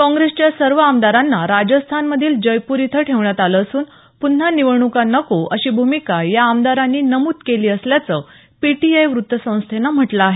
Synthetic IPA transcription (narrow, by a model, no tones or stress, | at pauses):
kɔ̃ŋɡɾest͡ɕjasəɾʋəamd̪aɾanːaɾad͡ʑəst̪ʰanməd̪ʱiːld͡ʑəjpuɾit̪ʰəʈʰeʋɳjat̪aləːsuːn | pun̤ːaniʋəɳukanəkoəɕiːbʱumikajaːmd̪aɾanːiːnəmut̪keliːəsljat͡sə | piʈiajʋɾut̪ːəsə̃w̃st̪ʰenam̤əʈlaaːɦe